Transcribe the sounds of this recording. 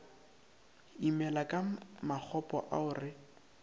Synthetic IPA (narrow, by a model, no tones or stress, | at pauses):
imɛlakʼamak͡xʰɔpʼɔ̰ʔaʊrɪ